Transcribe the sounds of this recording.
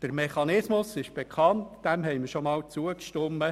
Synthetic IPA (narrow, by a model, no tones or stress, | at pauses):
d̥əɾmɛχɑnɪsmʊsɪʃb̥ekʰɑntd̥ɛmɦɛɪmɪɾʃomɑːlt͡suəkʃtʊmːə